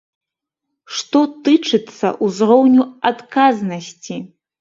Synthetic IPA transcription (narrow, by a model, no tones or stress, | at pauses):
ʂt̪ɔt̪ɨt͡ʂɨt̪sːɐ̰ʔuzrɔwnʲuat̪kaznɐsʲt͡sʲi